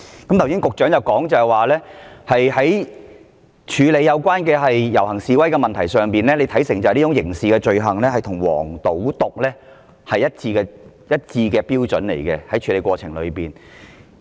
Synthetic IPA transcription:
kɐ˨˥mt̪ʰwsiː˥nŋkʊ˨k̚t͡ʃœː˨˥ŋjɐ˨wkɔː˨˥ŋt͡sɐ˨hɛ˨jwaː˨˩lɛː˥hɐ˨jɦɐ˨˥j | t͡ʃʰyː˨˧le˨˧jːɐ˨˧wkʷwaː˥nkɛː˧ɦɐ˨jjɐ˨˩whɐ˨˩ŋsiː˨wɐ˥jkɛ˧mɐ˨nt̪ʰɐ˨˩jsœː˨ŋpiː˨nlɛː˥le˨˧jt̪ʰɐ˨˥jsɪ˨˩ŋt͡sɐ˨liː˥ʊ˧˥ŋjɪ˨˩ŋsiː˨kɛː˧t͡ʃɵ˨˧ɥɦɐ˨˩ŋlɛː˥hɐ˨jt̪ʰʊ˨˩ŋwɔ̰ː˨˩ŋt̪o˨˥wt̪ʊ˨k̚lɛː˥ | hɐ˨jːɐ˥t̚t͡siː˧kɛː˧ | jɐ˥t̚t͡siː˧kɛː˧piː˥wt͡sɵ˨˥nle˨˩jkɛː˧hɐ˨˥jt͡ʃʰyː˨˧le˨˧jkʷwɔː˧t͡sʰɪ˨˩ŋlɵ̰˨˧ɥpiː˨n

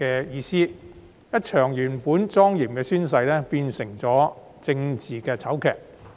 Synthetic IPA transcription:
ɛː˧jiː˧siː˥ | jɐ˥t̚t͡ʃʰœː˨˩ŋjyː˨˩npuː˨˥nt͡sɔː˥ŋjiː˨˩mkɛː˧syː˥ns̬ɐ˧jlɛː˥piː˧nsɪ˨˩ŋt͡sɔː˨˥ | t͡sɪ˧ŋt͡siː˨˩kɛː˧t͡sʰɐ˨˥wkʰɛ̰ː˨˩k̚

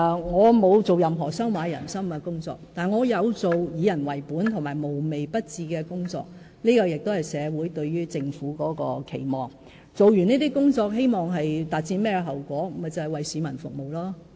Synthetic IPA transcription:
ŋɔː˨˧mo˨˧wt͡so˨wjɐ˨mɦɔː˨˩sɐ˥wmaː˨˧jɐ̰˨˩nsɐ˥mkɛ˧kʊ˥ŋt͡sɔ̰ː˧k̚t̪aː˨nŋɔː˨˧jɐ˨˧wt͡so˨wjiː˨˧jɐ˨˩nwɐ˨˩jpuː˨˥nt̪ʰʊ˨˩maː˨˩jmo˨˩wme˨jpɐ˥t̚t͡siː˧kɛː˧kʊ˥ŋt͡sɔ̰ː˧k̚ | niː˥kɔː˧jɪ˨k̚t̪o˥whɐ˨jsɛː˨˧wuː˨˥jt̪ɵ˧ɥɥyː˥t͡sɪ˧ŋfuː˨˥kɔː˨˥kɔ̰ː˧kʰe˨˩jmɔː˨˩ŋ | t͡so˨wɥyː˨˩niː˥t̪iː˥kʊ˥ŋt͡sɔː˧k̚ɦe˥jmɔː˨˩ŋɦɐ˨jt̪aː˨t̚t͡siː˧nmɛː˥kɛ˧ɦɐ˨˩wkʷɔː˨˥mɐ˨t͡sɐ˨whɐ˨˩jwɐ˨jsiː˨˧mɐ˨˩nfʊ˨k̚mo˨wlaː˥

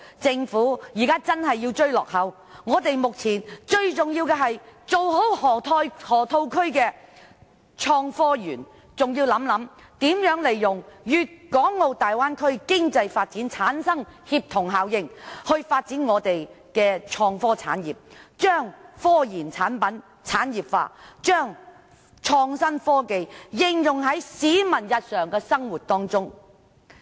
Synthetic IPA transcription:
t͡sɪ˧ŋfuː˨˥jiː˨˩kaː˥t͡sɐ˥nɦɐ˨jːi˧wt͡ʃɵ˥ɥlɔː˨k̚hɐ˨˥w | ŋɔː˨˧t̪e˨jmʊ˨k̚t͡sʰiː˨˩nt͡ʃɵ˧ɥt͡sʊ˨ŋjiː˧wkɛː˧ɦɐ˨jt͡so˨wɦo˨˥whɔː˨˩t̪ʰɔː˧˥jhɔː˨˩t̪ʰo˧wkʰɵ˥ɥkɛː˧ | t͡ʃʰɔː˧ŋfɔː˥jyː˨˩n | t͡sʊ˨ŋjiː˧wlɐ˨˥mlɐ˨˧˥m | t̪iː˨˥mjœː˨˥ŋle˨˩jːʊ˨˩ŋjyː˨˧t̚kɔː˨˥ŋːo˨˧wt̪aː˨jwaː˥nkʰɵ˥ɥkɪ˥ŋt͡sɐ˧jfaː˧t̚t͡siː˨˥nt͡sʰaː˨˥nsɐ˥ŋhiː˧p̚t̪ʰʊ˨˩ŋɦaː˨˥wjɪ˧ŋhɵ˧ɥfaː˧t̚t͡siː˨˥nŋɔː˨˧t̪e˨jkɛː˧t͡ʃʰɔː˧ŋfɔː˥t͡sʰa̰ː˨˥njiː˨p̚t͡ʃœː˥ŋfɔː˥jiː˨˩nt͡sʰaː˨˥npɐ˨˥n | t͡sʰaː˨˥njiː˨˩p̚fa̰ː˧t͡ʃœː˥ŋ | t͡ʃʰɔː˧ŋsɐ˥nfɔː˥ke˨˧jjɪ˨˧ŋjʊ˨ŋɦɐ˨˥jsiː˨˥mɐ˨˩njɐ˨t̚sœː˨ŋkɛː˧sɐ˥ŋwuː˨˩t̚t̪ɔː˥ŋt͡sʊ˥ŋ

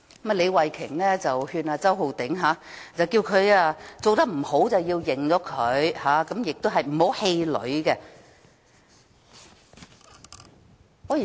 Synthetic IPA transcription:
ma˨˩le˨˧jwɐ˨jkʰɪ˨˩ŋlɛː˥t͡sɐ˨whyː˧naː˧t͡sɐ˥wɦo˨˧wt̪ɪ˨˥ŋɦaː˨˥t͡sɐ˨˧wkiː˧wkʰɵ˨˧ɥaː˧t͡so˨wt̪ɐ˥k̚m̩˨˩ho˨˥wt͡sɐ˨wjiː˧wjɪ˨˩ŋt͡sɔː˨˥kʰɵ˨˧ɥhaː˨˧˥kɐ˨˥mjɪ˨k̚t̪o˥wɦɐ˨jm̩˨˩ho˨˥whe˧jlɵ̰˨˧˥ɥkɛ˧ | ɔː˨˧˨

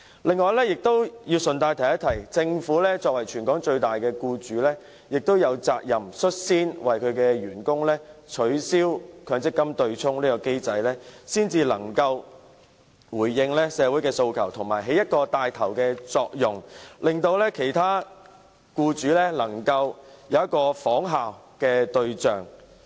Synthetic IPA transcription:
lɪ˨˧ŋːɔː˨˧jlɛː˥jɪ˨k̚t̪o˥wjiː˧wsɵ˨nt̪aː˧jt̪ʰɐ˨˩jɐ˥t̪ʰɐ˨˩jt͡sɪ˧ŋfuː˨˥lɛː˥t͡sɔː˧k̚wɐ˨˩jt͡ʃʰyː˨˩nkɔː˨˥ŋt͡ʃɵ˧ɥt̪aː˨˩jkɛː˧kuː˧t͡syː˨˥lɛː˥ | jɪ˨k̚t̪o˥wjɐ˨˧wt͡sa̰ː˧k̚jɐ˨msɵ˥t̚siː˥nwɐ˨jkʰɵ˨˧ɥkɛː˧ɥyː˨˩nkʊ˥ŋlɛː˥t͡ʃʰɵ˨˥ɥsiː˥wkʰœː˨˧ŋt͡sɪ˥kːɐ˥mt̪ɵ˧ɥt͡sʰʊ˥ŋliː˥kɔ˧ke˥jt͡sɐ˧jlɛː˥siː˥nt͡siː˧lɐ˨˩ŋkɐ˧w | wuː˨˩jːɪ˧ŋlɛː˥sɛː˨˧wu˨˥jkɛː˧so˧wkʰɐ˨˩wt̪ʰʊ˨˩ŋmaː˨˩jɦe˨˥jɐ˥t̚kɔː˧t̪aː˨˧jt̪ʰɐ˨˩wkɛː˧t͡sɔː˧k̚jʊ˨˩ŋlɪ˨ŋt̪o˧wlɛː˥kʰe˨˩jt̪ʰaː˥ | kuː˧t͡ʃyː˨˧˥lɛː˥lɐ˨˩ŋkɐ˧wjɐ˨˧wjɐ˥t̚kɔː˧fɔː˨˥ŋɦaː˨w | kɛː˧t̪ɵ˧ɥt͡ʃœː˨ŋ

